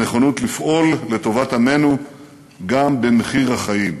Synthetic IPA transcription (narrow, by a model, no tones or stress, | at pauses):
eχonutlifʔo̞lːe̞to̞vathame̞nu | ɡambe̞meχiʁaχajim